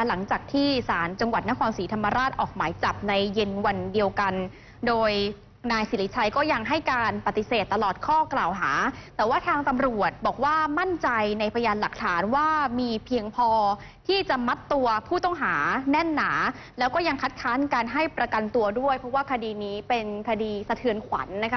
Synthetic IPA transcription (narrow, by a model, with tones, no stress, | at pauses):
la˩˦ŋt͡ɕaː˨˩k̚t̪ʰiː˥˩saː˩˦nt͡ɕa˧ŋwa˨˩t̪̚na˥kʰɔː˧nsiː˩˦t̪ʰa˧mːa˧ɾaː˥˩t̪̚ʔɔː˨˩k̚maː˩˦jt͡ɕa˨˩p̚na˧jːe˧nwa˧ndi˧əwka˧n | doː˧j | naː˧jsiː˨˦li˦˥t͡ɕʰa˧jkɔː˥˩ja˧ŋɦa˥˩jkaː˧npa˨˩t̪ːi˨˩seː˨˩t̪ːa˧lɔː˨˩t̪̚kʰɔː˥˩klaː˨˩wɦaː˩˦t̪ɛː˨˩waː˥˩t̪ʰaː˧ŋt̪a˧mɾu˨˩ət̪̚bɔː˨˩k̚waː˥˩ma˥˩nt͡ɕa˧jna˧jpʰa˧ja˧jaː˧nla˨˩k̚t̪ʰaː˩˦nwaː˥˩miː˧pʰi˧əŋpʰɔː˧ | t̪ʰiː˥˩t͡ɕa˨˩ʔma˦˥t̪ːu˧ɐpʰuː˥˩t̪ɔ˥˩ŋɦaː˩˦nɛ˥˩nːaː˩˦ | lɛː˦˥wkɔː˥˩ja˧ŋkʰa˦˥t̪̚kʰaː˦˥nkaː˧nɦa˥˩jpɾa˧ka˧nt̪u˧ɐdu˥˩əjpʰɾɔ˦˥waː˥˩kʰa˧diː˧niː˦˥pe˧nkʰa˧diː˧sa˧t̪ʰɯ˧ənkʰwa̰˩˦nːa˦˥kʰa˦